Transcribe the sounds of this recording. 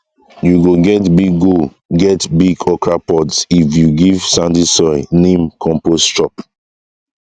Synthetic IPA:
juɡoɡɛtbiɡːo | ɡɛtbiɡɔkɹapɔdsifjuɡiv̥sãndisɔnẽmkʰɔ̃mpost͡ʃɔp

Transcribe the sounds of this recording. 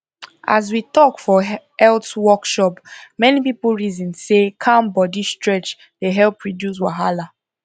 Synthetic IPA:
ʔa̰z̬witɔkfɔɛltwɔkʃɔpmɛnipiplɹizɔ̃nsekʰãnbɔdistɹɛt͡ʃ | deɦɛlˠpʰɹɔdjus̬waɦala

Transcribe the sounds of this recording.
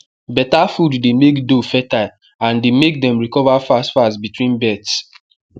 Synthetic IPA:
bɛtafudːemekdofɛta | ãndemek̚dɛ̃mɹikɔvafastfasbitwĩnbɛts

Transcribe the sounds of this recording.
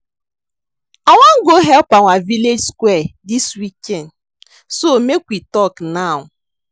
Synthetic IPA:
aŋʷaŋ̩ɡoɦɛlpaŋʷaviled͡ʒskʷwɛdiswikɛnd | somekʷwitɔknaʊ

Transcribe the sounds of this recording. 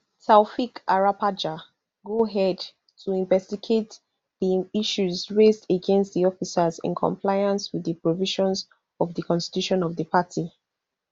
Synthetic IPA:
saʊfikaɹapad͡ʒa | ɡoɦɛd | tʰuĩɱvɛstiɡet | ðiiʃuzɹezdəɡɛ̃nstðiɔfisazɪ̰̃nkʰɔ̰̃mpʰlaɪãnswiðəpɹɔviʃɔ̃nz | ɔvðəkʰɔ̃nsti̥tuʃɔ̃nɔvðəpʰatʰi

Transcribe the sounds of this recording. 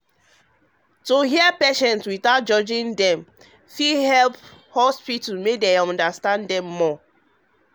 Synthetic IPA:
toɦiɛpeʃɛ̃ntwiθaʊt̚d͡ʒɔd͡ʒĩndɛ̃m | fihɛlphospitmedeɔ̃ndastãndɛ̃mːɔ

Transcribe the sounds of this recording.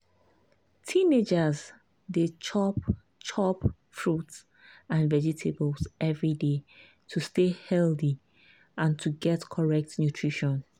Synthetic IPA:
tʰĩned͡ʒaz | det͡ʃʰɔp̚ | t͡ʃʰɔp | fɹuts | ãnvɛd͡ʒitʰebəlsʔɛvɹide | tʰustehɛlθi | ʔãntʰuɡɛtkʰɔɹɛk̚tnjutʰɹiʃɔ̃n

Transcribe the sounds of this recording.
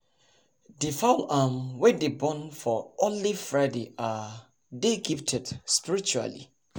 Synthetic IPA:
difaʊlamwɛdebɔ̃nfɔɔnlifɹaɪdeʔa | deɡiftʰɛd̥spiɹit͡ʃua̰lḭ

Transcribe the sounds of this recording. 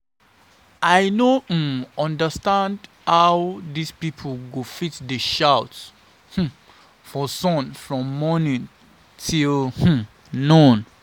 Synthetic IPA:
ʔajnoɔ̃ndəstãnd | hawdispipʰəlɡofitdəʃaʊts | h̩ | fɔsɔ̃nfɹɔ̃mːɔnĩn | tʰilh̩ | nõn

